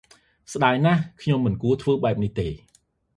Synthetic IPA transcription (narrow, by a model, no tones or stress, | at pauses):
sɗaːjnahkʰɲomːɨnkuət̪ʰʋəːɓaɛp̚niht̪eː